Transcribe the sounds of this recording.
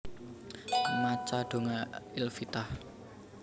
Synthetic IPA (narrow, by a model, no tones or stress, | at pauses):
mat͡ʃaɖ̪̥o̤ŋaɪlfit̪ah